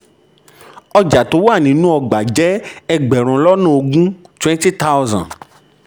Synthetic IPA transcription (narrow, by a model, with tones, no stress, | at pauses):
ɔ˧d͡ʒa˨to˨˦wa˦˨nĩ˨˦nũ˦ɔ˧ɡ͡ba˨d͡ʒɛ˨˦ɛ˧ɡ͡bɛ˨ɾ̃ũ˨˦lɔ˦nũ˦o˧ɡũ˦twɛ̃˦n˦ti˦ta˦zã̰˨n